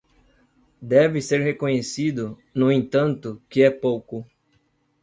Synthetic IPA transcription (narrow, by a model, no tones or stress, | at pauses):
d̪ɛvɪseɾhekõɲesid̪ʊnʊẽnt̪ɐ̃nt̪ʊkɪɛpowkʊ